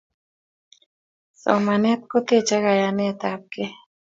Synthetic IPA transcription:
so̰manet̪̚kot̪et͡ʃaɣajanet̪aːp̚ke

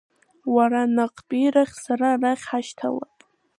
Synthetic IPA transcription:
waɾanaqʼpʼijɾaχʲsaɾaraχʲħaʃtʰa̰la̰pʼ

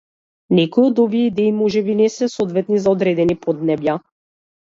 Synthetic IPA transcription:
nɛkɔjɔd̪ɔviɛid̪ɛimɔʒɛbinɛsɛsɔd̪vɛt̪nizaɔd̪ɾɛd̪ɛnipɔd̪nɛbja

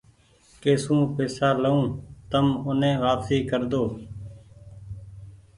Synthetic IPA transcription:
keːsũːpeːsaːləũːt̪əmʊnẽːʋaːpsiːkəɾd̪oː

